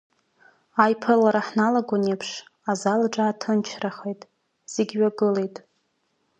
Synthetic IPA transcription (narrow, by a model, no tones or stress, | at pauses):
ajpʰɨlaɾaħnalaɡʷanepʰʂ | azalaʈ͡ʂʼaːtʰɨnt͡ʃʰraχejtʼ | z̥eɡʲɥaɡɨlejtʼ